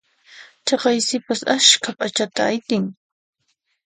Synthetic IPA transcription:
t͡ʃɑqɑjsɪpasaʃkʰapʼat͡ʃat̪aːjt̪ɪŋ

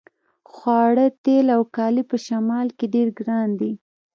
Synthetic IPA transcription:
xwɑɽət̪elawkɑlipəʃamɑlkeɖeɾɡɾɑnd̪i

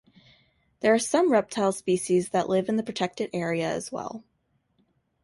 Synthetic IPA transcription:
ðə˞ːsʌ̃mɹɛp̚tʰaɪlˠspiʃizðəʔlɪvɨ̃nðɨpʰɹ̥ɨtʰɛk̚tɨɾʔɛɹiɨɨ̰zwɛ̰lˠ

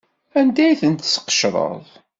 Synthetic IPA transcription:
ænd̪æjθənt̪sə̥qːə̥ʃɾˤə̰ðˤ

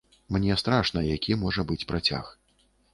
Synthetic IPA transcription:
mnʲɛst̪ɾaʂnɐjakʲʰimɔʐɐbɨt͡sʲpɾat͡sʲa̰x

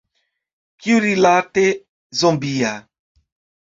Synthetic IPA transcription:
kjuɾilat̪e | zɔ̃mbia

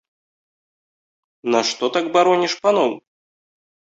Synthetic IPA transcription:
naʂt̪ɔt̪aɡbaɾɔnʲiʂpanɔw

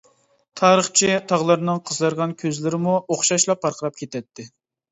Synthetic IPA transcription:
t̪ʰɑːɾəχt͡ʃʰit̪ʰɑʁlˠɨɾɨnɨŋqʰəzlɨɾʁɑnkʲʰøzlɪɾɪmuoχʃɑʃlˠɑpʰːɑɾqʰəɾɑp̚kʲʰet̪ʰɛt̪ːɪ

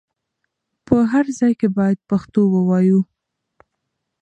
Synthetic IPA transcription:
pəɦaɾzɑjkebɑjad̪̚paxt̪owəwɑju

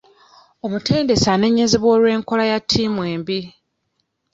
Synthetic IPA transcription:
o̞mute̞ːnde̞sane̞ɲːe̞zeβwoːlwe̞ːŋko̞lajatʰːiːmwe̞ːmbi

